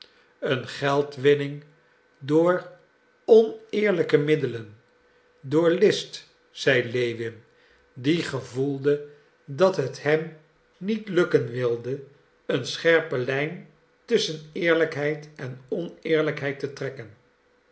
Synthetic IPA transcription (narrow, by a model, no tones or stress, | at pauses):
ənχɛlˠtʋɪnɪŋ | dʊːɹ | ɔnɪːɹləkəmɪdələn | dʊːɹlɪst | z̥ɛjlejʋɪm | diχəvulˠdə | dɑtɦəthɦɛm | nitlɵkənʋɪlˠdə | ənsχɛɹpəlɛjn | tɵsənɪːɹləkɦɛjtɛnɔnɪːɹləkɦɛjtətrɛkən